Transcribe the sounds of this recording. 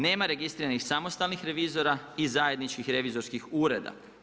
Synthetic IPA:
ne̞ːmaɾe̞ɡist̪ɾiːɾanixsamost̪alnixɾe̞ʋiːzo̞ɾaizaje̞d̪nit͡ʃkixɾe̞ʋizoɾskixuːɾe̞d̪a̰

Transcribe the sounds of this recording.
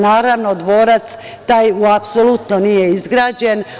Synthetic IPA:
naːɾaʋno̞d̪ʋo̞ːɾat̪s | t̪aːjuapsolut̪nonijeizɡɾaːd͡ʑe̞n

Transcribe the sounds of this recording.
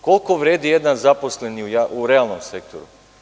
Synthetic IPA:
ko̞lˠko̞ʋɾeːd̪ije̞d̪anzapo̞sleniujauɾealˠno̞mse̞k̚t̪ʰo̰ɾṵ

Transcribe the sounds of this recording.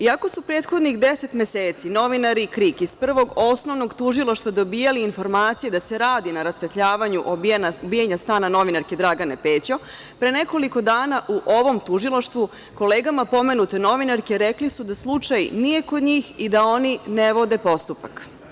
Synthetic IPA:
iako̞supɾe̞ːt̪xo̞d̪nixd̪eset̪meseːt̪sino̞ʋinaɾikɾikispr̩ʋo̞ɡo̞sno̞ʋnoɡt̪uʒilˠaʃt̪ʋad̪o̞biːjaliːnfo̞ɾmaːt̪sijed̪ase̞ɾaːd̪inaɾasfet̪ʎaːʋaɲuʔonabijaɲast̪aːnano̞ʋinaɾke̞d̪ɾaɡane̞pe̞ːt͡ɕo | pɾene̞ko̞liko̞d̪aːnaʔuʔo̞ʋo̞mt̪uʒilˠaʃt̪ʋu | ko̞leːɡamapo̞me̞nut̪e̞no̞ʋinaɾke̞ɾeklisud̪aslˠut͡ʂajnije̞ko̞d̪ɲiːxid̪ao̞nineʋo̞d̪e̞po̞st̪upak

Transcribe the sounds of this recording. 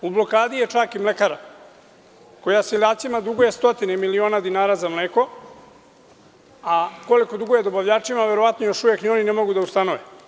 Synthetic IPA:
ublo̞kaːd̪ijet͡ʂakimlekaɾa | ko̞jasiʎaːt̪simad̪uɡoje̞st̪o̞t̪inemilio̞ːnad̪inaːɾazamleːko̞ | ako̞liko̞d̪uɡojed̪o̞baʋʎaːt͡ʂimaʋe̞ɾo̞ʋat̪nojoʃuʋje̞knio̞ninemo̞ɡud̪aust̪anoʋe

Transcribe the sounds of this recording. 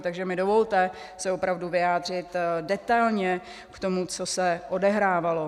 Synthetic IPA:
t̪aɡʒɛmɪdo̞vo̞lt̪ɛ | sɛopɾavduvɪjaːd̪r̝ɪt̪dɛt̪ajlɲɛ | kt̪o̞mut͡so̞sɛʔodɛɦɾaːvalo̞

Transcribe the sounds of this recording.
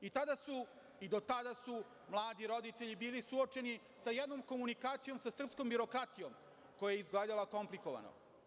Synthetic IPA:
it̪ad̪asu | id̪o̞t̪ad̪asu | mlˠaːd̪iɾo̞d̪it̪e̞ʎibiːlisuot͡ʃe̞ni | sajed̪noːmko̞munikaːt̪sijo̞msasr̩pskombjiɾo̞kɾat̪ijom | ko̞jajeizɡleːd̪alˠako̞mpliko̞ʋa̰no̰

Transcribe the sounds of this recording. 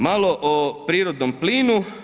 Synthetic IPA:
maloʔopɾiːɾod̪nompliːnu

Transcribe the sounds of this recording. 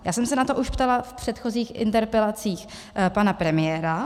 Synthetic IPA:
jaːsɛmsɛnat̪oʔuʃpt̪alafpr̝̥ɛt̪xo̞ziːxʔɪ̰nt̪ɛɾpɛlat͡siːx | panapɾɛmɪjɛːɾa

